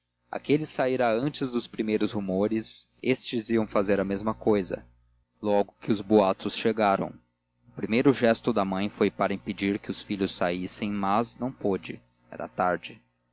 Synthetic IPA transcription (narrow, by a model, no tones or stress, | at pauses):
a̰kelɪsaiɾɐɐ̃nt͡ʃɪzd̪ʊspɾimejɾʊshumoɾɪsest͡ʃɪziɐ̃w̃fazeɾɐmezmɐkojzɐ̰ | lɔɡʊkɪʊzboat̪ʊsʃeɡaɾɐ̰̃w̃ | ʊpɾimejɾʊʒɛst̪ʊd̪ɐmɐ̃j̃fojpaɾɐĩped͡ʒiɾkɪʊsfiʎʊsːaisẽj̃mɐznɐ̃w̃pod͡ʒɪ | ɛ̰ɾɐ̰t̪aɾd͡ʒɪ